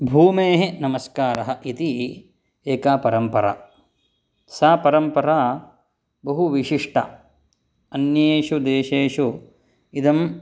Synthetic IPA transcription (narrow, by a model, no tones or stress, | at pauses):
bʱuːmeːɦenɐmɐskaːɾɐɦɐʔit̪i | eːkaːpɐɾɐmpɐɾa̰ | saːpɐɾɐmpɐɾaː | bɐɦuʋiʂiʂʈɐ̰ | ɐnjeːʃud̪eːʃeːʂu | id̪ɐm